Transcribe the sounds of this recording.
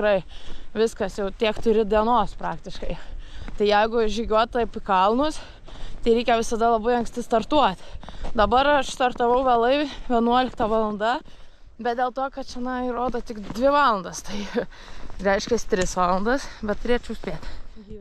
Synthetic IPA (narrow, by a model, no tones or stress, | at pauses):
tkɾɐɪʋʲɪskɐsjɛʊt̪ʲiɛkt̪ʊɾʲɪd̪ʲiɛnoːspɾɑːkt̪ʲɪʃkɐɪt̪ɐɪjɛɪɡʊʒʲiːɡʲuɔt̪̚t̪ɐɪpɪkɐlˠnʊs | t̪ɐɪɾʲɛɪkʲɛʋʲɪsɐd̪ɐlˠɐbɐɪɐŋksʲt̪ʲɪst̪ɐrt̪uɔt̪ʲd̪ɐbɐɾɐʃst̪ɐrt̪ɐʋɐʊʋʲeɛːlˠɐɪʋʲiɛnuɔlʲɪkt̪ɑʋɑlˠɐnd̪ɐ | bʲɛt̪̚d̪ʲeːlˠt̪oːkɐt̪t͡ʃʲɛnɐiɾoːd̪ot̪ʲɪkd̪ʲʋʲɪʋɑːlˠɐnd̪ɐst̪ɐɪ | ɾʲɛɪʃʲkʲɛst̪ʲɾʲɪsʋɑːlˠɐnd̪ɐsbʲɛt̪̚t̪ʊɾʲeɛt͡ʃʲɛʊsʲpʲeːt̪